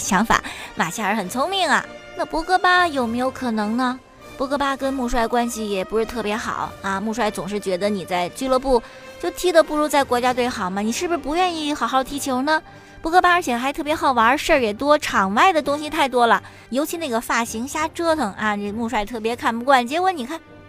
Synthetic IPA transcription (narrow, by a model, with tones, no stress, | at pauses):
ɕjɑ˧˥ŋfa̰˨˦ma˨˩ɕja˥˩ə˞˧˥xə˨˩nt͡sʰʊ˥ŋmi˥˩ŋɐ̰˩ | na˥˧pwɔ˥kɤ˥pa˥jo˨˩ʊme˧˥ɪjo˧˥ʊkʰɤ˨˩nɤ˧˥ŋnə˧ | pwɔ˧˥kɤ˥˩pa˥kə˥nmu˥˧ʂ̬wa˥˩ɪkwa˥nɕi˨˩jɛ˨˩pu˧˥ʂɻ̩˥˧t̪ʰɤ˥˩pjɛ˧˥xɑ̰˨˩˦ʊɐ˧mu˥˧ʂwa˥˧˩ɪt͡sʊ˨˩ŋʂ̬ɻ̩˥˩t͡ɕɥɛ˧˥d̪ə˧ni˨˩t͡sa˥˧ɪt͡ɕy˥lɤ˥˧pu˥˩ | t͡ɕjo˥˧ʊt̪ʰi˥d̪ə˨pu˥˧ɻu˧˥t͡sa˥˩ɪkwɔ˧˥t͡ɕja˥t̪̬we˥˩ɪxɑ˨˩ʊmə˦ni˨˩ʂɻ̩˥˩bu˧ʂ̩˥pu˧˥ɥɛ˥˧ni˥˩xɑ˨˩ʊxɑ˥˩ʊt̪ʰi˧˥t͡ɕʰjo˧˥ʊnə˧ | pwɔ˧˥kɤ˥pa˥ə˞˧˥t͡ɕʰjɛ˨˩xa˧˥ɪt̪ʰɤ˥˩pjɛ˧˥xɑ˨˩ʊwa˧˥ə˞˧˥ʂə˞˥˩jɛ˨˩t̪wɔ˥ʈ͡ʂʰɑ˨˩ŋwa˥˩ɪd̪ə˩t̪ʊ˥ŋɕ̬i˨t̪ʰa˥˩ɪt̪wɔ˥lə˨ | jo˧˥ʊt͡ɕʰi˧˥na˥˩ɡə˩fa˥˩ɕi˧˥ŋɕja˥ʈ͡ʂɤ˥t̪ʰɤ˨˩ŋa˥˧ne˥˩mu˥˧ʂwa˥˧ɪt̪ʰɤ˥˩p̬jɛ˧˥kʰa˥˩npu˧˥kwa˥˩nt͡ɕjɛ˧˥kwɔ˧˥ni˨˩kʰa˥˩n